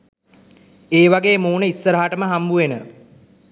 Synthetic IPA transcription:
eːʋaɡeːmuːnəisːəɾəɦaʈəməɦambuenə

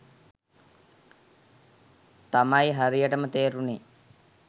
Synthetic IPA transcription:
t̪amajɦaɾijəʈəmət̪eːɾune

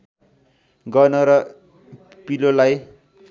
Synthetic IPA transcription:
ɡʌnʌɾʌ | pilolaj

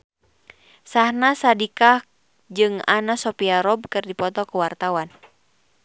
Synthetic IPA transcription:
sahnasadikah | d͡ʒɨŋa̰nasɔpiaɾɔb̚kɨrdipɔt̪ɔkuwart̪awan

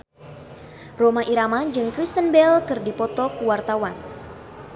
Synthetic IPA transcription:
romaʔiɾamad͡ʒɨŋkɾist̪ənbɛlkɨrdipɔt̪ɔkuwart̪awan

